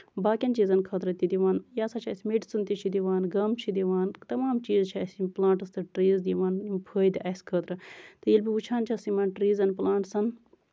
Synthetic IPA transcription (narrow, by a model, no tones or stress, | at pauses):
baːkʲɐnt͡ʃizɐnkʰət̪ɾɐt̪id̪iʋaːnjaːsat͡ʃʰɐsʲmeɖsɐnt̪it͡ʃʰid̪iʋaːnɡɐmt͡ʃʰid̪iʋaːnt̪ɐmaːmt͡ʃiːzt͡ʃʰisʲiplãːɳʈɐst̪ɨʈɾiːzd̪iʋaːnimpʰəːjd̪iʔɐsʲkʰət̪ɾɐt̪ɨjilbiut͡ʃʰaːnt͡ʃʰɐsimaːnʈɾiːzɐnplaːɳʈsɐn